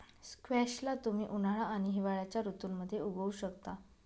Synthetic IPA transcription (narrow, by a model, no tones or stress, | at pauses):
skʋɛɕlat̪um̤iːʔunaɭaːɽ̃iɦiʋaɭjat͡ɕjaɾut̪unməd̪ʱːjeuɡʱəuɕəkt̪a